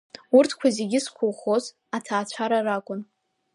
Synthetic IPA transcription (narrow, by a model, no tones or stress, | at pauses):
urtʰkʷʰazeɡʲɪskʷʰʊlχoz | atʰaːt͡ɕʷʰaɾarakʷʼʊn